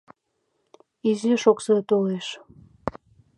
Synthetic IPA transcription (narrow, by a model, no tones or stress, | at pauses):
iziʃoksɤt̪oleʃ